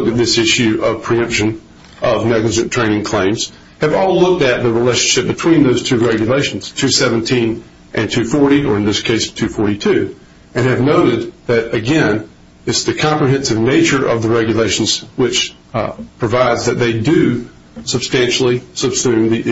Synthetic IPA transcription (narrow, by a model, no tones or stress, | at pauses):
kɨt̪̚ðɪsɪʃʉʔʌv̥pʰɹ̥iʌ̃mpʃɨ̃n | ʔʌvnɛɡləd͡ʒɨ̃ntʰɹ̥ẽɪ̃ñɪ̃ŋkʰl̥ẽɪ̃mz̥ | hɨvɔlˠlʊk̚tɨt̪̚ðɨɹileɪʃn̩ʃɪp̚b̥ɨtʰw̥ĩnðoʊz̥tʰʉɹɛɡjɨleɪʃn̩z̥tʰʉsɛvɨ̃n̩tʰĩn | ʔɨ̃ntʰʉfɔɹɾiə˞ɨ̃nðɪskʰeɪstʰʉfɔɹɾitʰʉ | ɨ̃nɨvnoʊɾɨd̪̚ðɨɾɨɡɛ̃n | ɨtsðɨkʰɑ̃mpɹiɦɛ̃nsɨvneɪt͡ʃə˞ʔʌ̰vðɨɹɛɡjɨleɪʃn̩z̥wɪt͡ʃ | pʰɹ̥ɨvaɪdzðɨt̪̚ðeɪdɨ | sɨb̥stæ̃nʃl̩ˠisəb̥sʉ̃mðiʔ